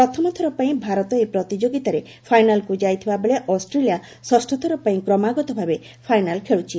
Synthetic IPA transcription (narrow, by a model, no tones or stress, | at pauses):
pɾɔt̪ʰɔmɔt̪ʰɔɾɔpaĩbʱaɾɔt̪ɔepɾɔt̪id͡ʒoɡit̪aɾe | pʰajnalkud͡ʒajt̪ʰibabeɭeʔɔsʈɾelija | sɔsʈɔt̪ʰɔɾɔpaĩkɾɔmaɡɔt̪ɔbʱabe | pʰajnalkʰeɭut͡ʃʰi